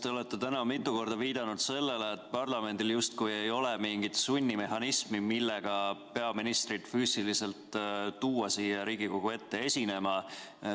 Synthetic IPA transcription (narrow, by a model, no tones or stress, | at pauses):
t̪e̞o̞le̞t̪ːe̞t̪ænɑmit̪ˑːuko̞rd̪̥ɑviːd̪̥ɑnud̪̥se̞lːe̞leːt̪ːˑpɑrlɑme̞nʲd̪iljust̪kujejo̞le̞miŋɡit̪sunʲːime̞hɑnismimilːe̞ɡ̥ɑpe̞ɑminist̪rid̪̥fyːsilise̞lt̪ːuːwɑsiːjɑɾiːɡ̥iko̞ɡ̥ue̞t̪ːe̞e̞sʲine̞mɑ